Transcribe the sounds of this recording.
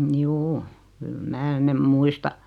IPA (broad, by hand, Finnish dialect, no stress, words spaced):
mjuː kyl mæː nem muistɑ